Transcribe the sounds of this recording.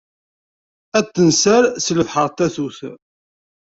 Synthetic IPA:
æt̪ːənsæɾsləvħəɾˤt̪æθuθ

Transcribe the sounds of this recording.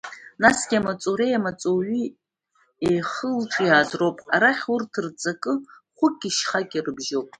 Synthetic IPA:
nasɡʲiamat͡sʼoɾejamat͡sʼoɥi | ejχəlʈ͡ʂʼijaːzrowpʼaɾaχʲurtʰɨrt͡sʼakʼɨ | χʷʊkʲʼːiʃχakʲʼirɨbʒowpʼ

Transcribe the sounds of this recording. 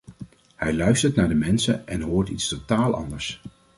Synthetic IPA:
hɛjlœɥstəɹtnaːɹdəmɛnsə̰ʔɛnɦoːɹtitstotaːlˠʔɑ̰ndəɹs

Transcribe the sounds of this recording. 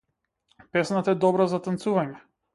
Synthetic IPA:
pɛsnat̪aɛd̪ɔbɾazat̪ant̪suvaɲɛ

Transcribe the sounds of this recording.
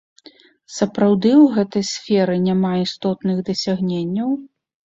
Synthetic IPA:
sɐpɾawd̪ɨwɣɛt̪ɐjsfʲɛɾɨnʲamaist̪ɔt̪nɨɣd̪ɐsʲaɣnʲenʲːɐw

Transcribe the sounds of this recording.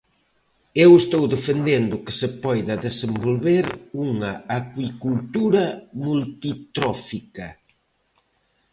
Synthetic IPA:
ewest̪owðefend̪end̪ʊkɪ̥sepɔjðɐðesembolβeɾuŋɐakwikult̪uɾɐmult̪it̪ɾɔfikɐ

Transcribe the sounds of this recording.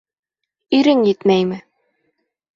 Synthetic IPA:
ɵɾɘŋjɘt̪mæjmɘ

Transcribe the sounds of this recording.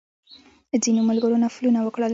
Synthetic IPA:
zinoməlɡəɾonafulunawəkɽəl

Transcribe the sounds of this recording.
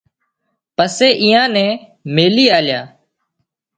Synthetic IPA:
pəseːʔiːãːnɛ̃ː | meːliːaːljaː

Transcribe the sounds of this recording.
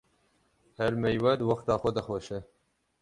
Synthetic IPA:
hɛɾmɛjwɛd̪wɑxt̪ɑːxʷɐd̪ɐxʷoʃɛ

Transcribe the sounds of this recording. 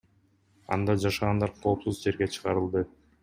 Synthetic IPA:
ɑ̰nd̪ɑd͡ʒɑʃɑʁɑnd̪ɑɾqʰo̞ːpsuzd͡ʒe̞ɾɡet͡ʃʰɯ̥ʁɑɾɯlˠd̪ɯ

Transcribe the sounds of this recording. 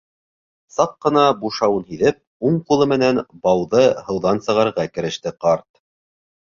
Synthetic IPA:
sɑq̚qɤ̆nɑbuʃɑwɤnhiðɘp̚ | uɴqulˠɤmɘ̆nænbɑwðɤhɤ̆wðɑnsɤ̆ʁɑɾʁɑkɘ̆ɾɘ̆ʃt̪ɘqɑɾt̪̚

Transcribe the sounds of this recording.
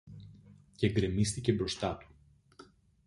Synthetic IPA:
ceɡɾemist̪ice̞bɾo̞st̪ɐt̪u̥

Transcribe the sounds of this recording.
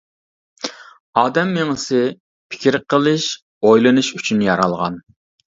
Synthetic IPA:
ɑːd̪ɛmːeŋɪsɪ | pʰɪ̥kʲʰiɾqʰəlˠɨʃ | ojlˠɨnuʃyt͡ʃʰynjɑɾɑlˠʁɑ̰n

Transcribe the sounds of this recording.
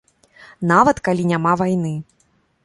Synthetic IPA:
navɐt̪kalʲinʲamavajn̪ɨ

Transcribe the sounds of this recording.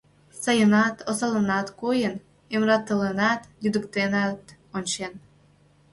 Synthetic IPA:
sɑjənɑt̪osɑlənɑt̪kojən | emrɑt̪ːələnɑt̪jyd̪əkt̪enɑt̪ | onʲt͡ɕen

